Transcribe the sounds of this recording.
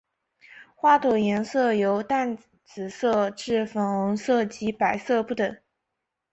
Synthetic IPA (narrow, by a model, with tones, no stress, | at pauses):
xwa˥˩t̪ʰwɔ˨˩jɛ˧˥nsɤ˥˩jo˧˥ʊt̪a˥˩n | t͡sɹ̩˨˩sɤ˥˧ʈ͡ʂɻ̩˥˩fə˧˥nʊ˧˥ŋsɤ˥˩t͡ɕi˧˥pa˨˩ɪsɤ˥˧pu˥˩t̪ə˨˩˦ŋ